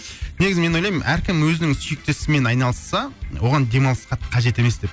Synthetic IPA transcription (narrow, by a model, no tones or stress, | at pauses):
ne̞ɡʲɪzɪme̞nolˠɑjmmʔæɾkʲʰɪmwɵzɪnɪŋsʏjɪk̚t̪e̞sɪme̞nɑjnɑlˠəsːɑwo̞ʁɑnd̪e̞mɑlsqɑt̪qʰɑʒe̞t̪e̞me̞sd̪e̞p